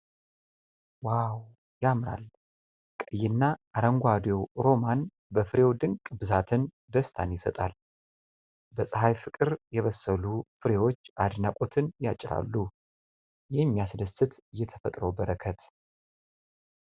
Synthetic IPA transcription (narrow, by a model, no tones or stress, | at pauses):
waw | jamɾa̰l | kʼəjːɪnːaʔːɾəŋɡʷad̪jewɾo̞man | bəfɨɾe̞wd̪ɨŋkʼbɨzat̪ʰɨn | d̪əst̪ʰanjɪsət̪ʼal | bəsʼəɦajfɨkʼɨɾjɛβəsəlufɨɾe̞wo̞t͡ʃːad̪ɨnakʼot̪ʰɨnjat͡ʃʼːɪɾa̰lːu | jɛmːijasd̪əsːɨt̪jɛt̪ʰə̥fət̪ʼɾəwbəɾəkʰət̪